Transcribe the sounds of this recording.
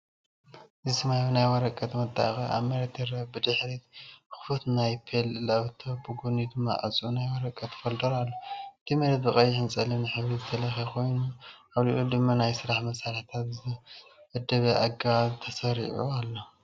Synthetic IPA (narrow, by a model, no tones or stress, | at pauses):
ʔzisɨmajunajwɔɾɐkʼːɐt̪mɐt̪ʼːa̰xiʔa̰mɐɾɐt̪ɐɾɐbɨd̪ɨħɾit̪xɨ̥fut̪najpʰellɐβt̪ʰobɨɡunid̪ɨmːa̰ʔʼɐt͡sʼunajwɔɾɐkʼːɐt̪ʰfold̪ɐɾalːot̪ʰimɐɾɐt̪bɨχʼɐjːħɨnt͡sʼɐlinɨħɨβɾizɨt̪ʰɐlɐxekʰo̞jnuʔaβlḭʔod̪ɨmːanajsɨɾaħmɐsalħit̪ʰat̪zɨʔɨd̪ɐβɐʔaɡaβt̪ʰɐsɐɾḭʕṵalːo